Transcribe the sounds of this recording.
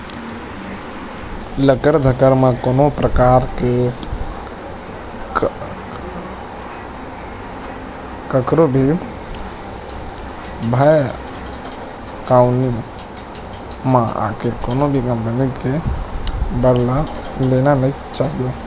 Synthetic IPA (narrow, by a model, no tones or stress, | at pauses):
ləkəɾd̪ʱəkəɾmẽkoːnopɾəkaːɾke | kəkɾobʱi | bʱəj | kaʊni | maa̰kekonobʱikə̃mpənike | bəɽlalenanəi | t͡ʃaɦijo